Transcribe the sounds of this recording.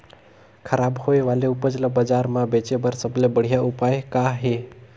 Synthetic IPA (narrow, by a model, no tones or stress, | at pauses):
kʰəɾabhoeʋaleʊpəd͡ʒləbəd͡ʒaɾmãbet͡ʃebəɾsəblebəɽ̤ijaʔupajekaɦe